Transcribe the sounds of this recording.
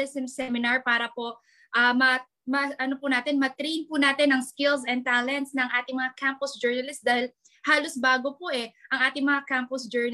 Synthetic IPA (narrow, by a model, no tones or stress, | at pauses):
ɪsɪmsɛmɪnaɹpaːɾɐpo̞ | ʔɐmɐ | mɐʔɐnopʊnaːt̪ɛnmɐt̪ɾijnpʊnaːt̪ɪnɐŋskɪlsɛn̚t̪aːlɛnt̪snɐŋʔaːt̪ɪŋmɐŋakampʊsd͡ʒɛɹnɐlɪst̪d̪aːhɪl | haːlosbaːɡopoʔɛʔɐŋʔaːt̪ɪŋmɐŋakampʊsd͡ʒɛɹn